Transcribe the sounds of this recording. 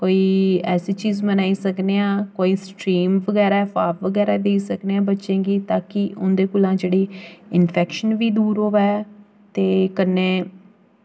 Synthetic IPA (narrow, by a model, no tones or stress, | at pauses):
koːiːɛːseːt͡ʃiːzmənaːiːsəkneːãːkoːiːsʈɾiːmʋəɡɛːɾaːɛpaːpʋəɡɛːɾaːd̪eːisəkneãːbətːʃẽːɡiːt̪aːkɪʔʊnd̪eːkʊlãːd͡ʒeːɽeːɪnpʰɛːkʃənʋiːd̪uːɾɦoːʋɛː | t̪eːkənːeː